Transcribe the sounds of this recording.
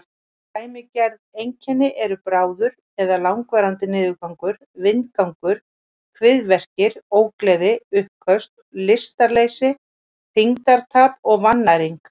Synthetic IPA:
t̪aːjmɪcɛɾðejɲcʰɛnːɪʔɛɾʏpɾaːwðʏɾ | ɛðalawŋkvɛːɾant̪ɪnɪːðʏkawŋkʏɾ | vɪnkawŋkʏɾ̥ | kʰvɪðvɛr̥cɪɾoːwklɛːðɪʏhkʰœst̪ | lɪst̪aɾlejsɪ | θiŋt̪aɾt̪ʰaːpɔɣvanːaɾiŋk

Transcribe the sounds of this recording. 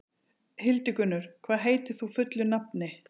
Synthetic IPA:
hɪlt̪ɪkʏnːʏɾ̥kʰvaːðɦeːjt̪ɪθufʏt̪lʏnapnɪ

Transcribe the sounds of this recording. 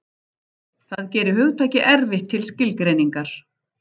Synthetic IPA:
θaðcɛːɾɪhʏɣt̪ʰaːjcɪʔɛɾvɪht̪ʰːɪlscɪlkɾeːjniŋkaɾ̥

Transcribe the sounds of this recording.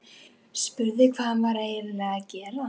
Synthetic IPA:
spʏɾðɪkʰvaːðanvaɾeːjɾɪlɛɣacɛːɾa

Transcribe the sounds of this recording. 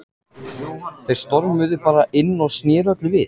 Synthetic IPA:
θejɾ̥st̪ɔɾmʏðɪpaːɾaʔɪnːɔɣsnjɛːɾœt̪lɪvɪθ

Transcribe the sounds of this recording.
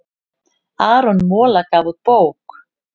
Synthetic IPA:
aːɾɔnmɔːlakavuð̚poːwk

